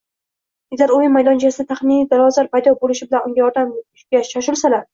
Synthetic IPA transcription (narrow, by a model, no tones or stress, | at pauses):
ezʲaɾojɪmajd̪ɒnt͡ʃʰasɪd̪at̪ʰaχmɪnijd̪alˠɒzaɾpajd̪ɒbolɪʃɪbɪlanʊŋɡʲajɒɾd̪amʊʃɡʲaʃaʃ̬ʊlˠsalaɾ